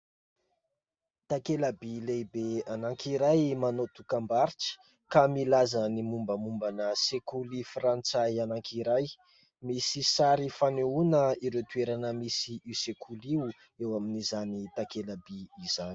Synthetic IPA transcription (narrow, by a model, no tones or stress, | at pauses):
t̪akelabilebeanaŋkiɾajmanot̪ukambaɾit͡ʃi̥ | kamilazənimumbəmumbanəsekulifrant͡sajanaŋkʰiɾaj | misisaɾifaneunəiɾewt̪ueɾanəmisiʔisekʰuliu | ewaminizanit̪akelabiːzani